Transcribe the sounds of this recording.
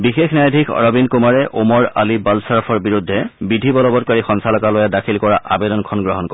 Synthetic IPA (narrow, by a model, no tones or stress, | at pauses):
bixexnajadʱikʰɔ̰ɹɔbinkumaɹɛʔumɔɹa̰libalsaɹpʰɔɹbiɹudʱːɛbidʱibɔlɔbɔt̚kaɹixɔnsalɔkalojadakʰilkɔɹaʔabedɔnkʰɔnɡɹɔɦɔnkɔ